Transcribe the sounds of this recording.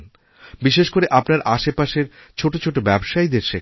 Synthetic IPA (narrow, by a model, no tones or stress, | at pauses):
n | biʃeʃkoɾeʔapnaɾʔaʃepaʃeɾt͡ɕʰoʈot͡ɕʰoʈobɛbʃaid̪eɾʃe